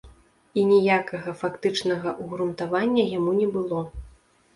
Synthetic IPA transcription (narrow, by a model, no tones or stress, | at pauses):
inʲɛjakɐɣɐfakt̪ɨt͡ʂnɐɣɐʔuɣɾunt̪avanʲːɐjamunʲɛbɨlˠɔ